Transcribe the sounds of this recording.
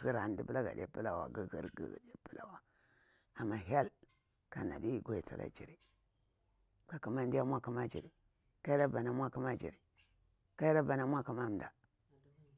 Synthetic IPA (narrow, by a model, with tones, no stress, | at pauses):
ɣi˦ɾa˨n˦di˦pə˦la˦ɡa̰˨d̰ʲa̰˦pə˦la˨wa̰˨ɡə˦ɡḭ˦ɾɡa̰˨ɡa̰˨da˦pə˦la̰˦wa˨ | a˨mːa˨ɦa˦l | ka˨na̰˨bi˦ɡʷo˨i˨ta̰˨lʔa̰˦d͡ʒi˨ɾi˨ | ka˨ku˨ma˦ndi˦ja˦mʷ˦a˦ku˦ma˦d͡ʒḭ˨ɾi˨ | ka˦i˦a˦ba˨na˨˦mʷa˦ku˦ma˦d͡ʒḭ˨ɾi˨ | ka˦i˦ɾa˦ba˨na˦mʷ˦a˦ku˦ma˦˨m˨da˨